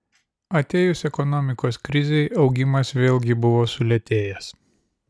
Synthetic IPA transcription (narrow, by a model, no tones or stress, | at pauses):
ɐt̪ʲeːjʊsɛkɔnɔmʲɪkoːskɾʲɪzʲɛɪɒʊɡʲɪmɐsʋʲeːlʲˠˑɡʲɪbʊʋoːsʊlʲɛt̪ʲeːjɛs